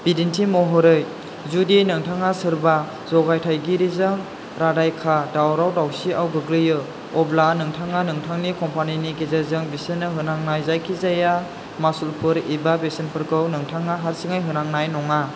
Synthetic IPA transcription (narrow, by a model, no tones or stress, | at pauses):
b̥idintʰimɔɦɔɾɯj | zudinɯŋtʰaŋasɯɾba | zɔɡajtʰajɡiɾizɯŋ | ɾadajkʰadawɾawdawsiawɡɯɡlɯjɯ | ɔblanɯŋtʰaŋanɯŋtʰaŋnikɔmpaniniɡezazɯŋbisɯnɯɦɯnaŋnajzajkʰizaja | masulpʰɯɾibabesɯnpʰɯɾkɯwnɯŋtʰaŋaɦaɾsiŋajɦɯnaŋnajnɔŋa